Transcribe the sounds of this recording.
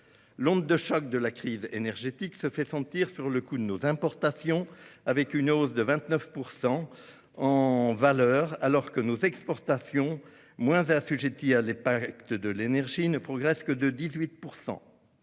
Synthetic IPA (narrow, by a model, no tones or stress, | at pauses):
lɔ̃dd̪əʃɔk̚d̪əlakχizḛnɛʁʒet̪iksəfɛsɑ̃t̪iʁsyʁləkud̪ənozɛ̃pɔʁt̪asjɔ̃avɛkynozd̪əvɛ̃t̪nœfpuʁsɑ̃ | ɑ̃valœːʁalɔʁkənozɛkspɔʁt̪asjɔ̃ | mwɛ̃zasyʒet̪ialɛ̃pakt̪əd̪əlenɛʁʒinəpχɔɡʁɛskəd̪əd̪izɥit̪̚puʁsɑ̰̃